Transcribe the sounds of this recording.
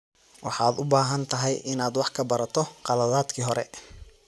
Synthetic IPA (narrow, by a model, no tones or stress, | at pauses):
wʔɑ̰ħɑːd̪ʊbaːɦɐnt̪ʰɐɦɛjʔɪnaːd̪wɑħkʰɐbɐɾɐt̪ʰɔqɑlɐðaːd̪kʰiːɦɔɾɛ̰